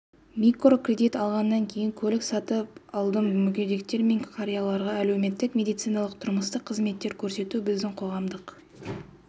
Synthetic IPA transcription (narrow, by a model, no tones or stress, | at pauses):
mʲikrokrʲe̞d̪ijt̪ɑlˠʁɑnːɑŋkʲʰe̞jɪŋkʲʰɵlɪksɑt̪əpɑlˠd̪əmmʏkʲe̞d̪e̞k̚t̪e̞ɾme̞ŋkʰɑɾijalˠɑɾʁɑæle̞wme̞t̪ːɪkmʲe̞d̪ijt̪sɨjnɑlˠəqt̪ʰʊɾməst̪əqʰːəzme̞t̪ːe̞ɾkʲʰɵɾse̞t̪ubɪzd̪ɪŋqʰo̞ʁɑmd̪əq